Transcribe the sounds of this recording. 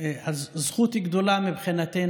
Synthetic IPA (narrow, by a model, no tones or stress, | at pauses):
azzχut̪hiɡd̪olamibχinat̪e